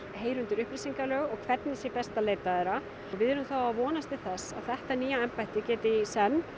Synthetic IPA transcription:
heːjɾʏnt̪ɪɾʏhpɾɪsiŋkalœːɣɔɣkʰvɛt̪nɪsjɛpɛst̪aleːjt̪aðɛɾa | ɣvɪðɛɾʏmθawavɔːnast̪ɪ̥θɛsːaðθɛht̪aniːjaɛmpajht̪ɪcɛːt̪ɪsɛnː

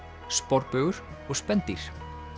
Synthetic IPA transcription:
spɔɾpœːɣʏɾ̥ | ɔɣspɛnt̪iɾ̥

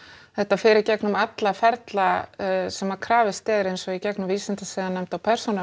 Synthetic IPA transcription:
θɛht̪ːafɪːɾɪcɛknʏmat̪lafɛɾt̪lasɛmaɾkʰɾaːvɪst̪ɛːðɪɾejnsɔɣicɛknʏmviːsɪnt̪asɛðanːɛmt̪awpʰɛɾ̥suna

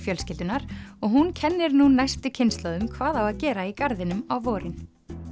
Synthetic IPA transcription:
fjœlscɪlt̪ʏnaɾ̥ɔɣɦuncʰɛnːɪɾnunajst̪ʏcʰɪnst̪laðʏmkʰvaːðawaðcɛːɾaikaɾðɪnʏmawvɔːɾɪn

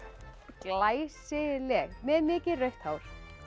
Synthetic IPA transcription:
klaːjsɪlɛɣmɛðnɪːcɪrœɥht̪hawɾ̥

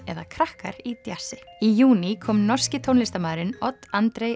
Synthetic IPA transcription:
ɛðakʰɾahka̰ɾit̪jasɪijuːnikʰɔːmnɔr̥scɪt̪ʰownlɪst̪amaːðɾɪnɔt̪ant̪ɾej

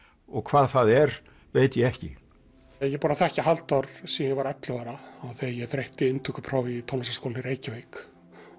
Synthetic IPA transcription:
ɔɣkʰv̥aːðθaðɛɾ | veːjt̪jɛɛhcɪ̰ | jɛpuːnaθɛhcɪɦalt̪ɔɾ̥siɛvaɾɛt̪lɪvaːɾaːwθejɛθɾeht̪ɪɪnt̪ʰukapʰɾaːwvit̪ʰownasaskowlnɪɾeːjcɪvejk

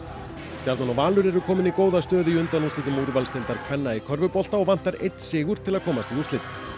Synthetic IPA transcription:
c̪aɾt̪nanɔvaːlʏɾɛɾʏkʰɔːmɪnikoːwðast̪œːðʏiʏnt̪anust̪ɪt̪ɪmuɾʏvalst̪ɪlt̪aɾ̥kʰvɛnːaikʰœɾvʏpɔl̥t̪aɔɣvan̥t̪aɾḛjt̪n̥sɪːɣʏɾ̥t̪ʰɪlaðkʰɔːmast̪iust̪lɪt̪

